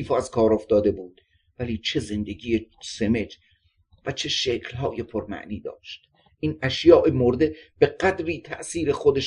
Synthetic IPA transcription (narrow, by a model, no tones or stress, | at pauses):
foæzkʰɒːɾoft̪ɒːd̪e̞buːd̪̥ | væliːt͡ʃʰe̞ze̞nd̪eɡiːjeseme̞d͡ʒ | væt͡ʃʰe̞ʃekʰlhɒːjepʰoɾmæ̰ʔniːd̪ɒ̰ːʃt̪ | ʔiːnæʃjɒːʔemoɾd̪e̞b̥e̞ɡæd̪ɾiːt̪ʰæʔsiːɾexod̪eʃ